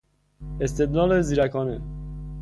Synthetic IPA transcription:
est̪ed̪lɑːleziɾækʰɒːne

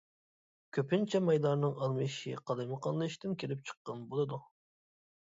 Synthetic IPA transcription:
kʲʰøpɪnt͡ʃʰɛmɑjd̪ɑɾnɨŋɑɾmɨjiʃḭqʰɑd̪ɨmɨqʰɑnlˠɨiʃt̪ɪnkʲʰelɪp̚t͡ʃʰə̥qːɑnbolˠɨd̪u

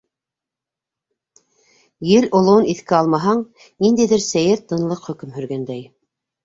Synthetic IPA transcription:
jɘlʔŏlˠŏɤniθkɘɑlˠmɑɦɑɴ | nind̪æjðɘɾsæjɘɾt̪ɤ̆nlˠɤqχɵ̆kɵmhɵ̆ɾɡænd̪æj

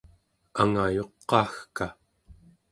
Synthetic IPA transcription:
aŋajo̞qːɑːxka

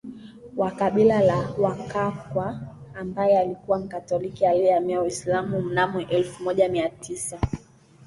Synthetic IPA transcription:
wakaɓilalawakakwaːmbajɛalikuwam̩katɔlikialɛlamiawislamum̩namuʔɛlfumɔʄamiatisa

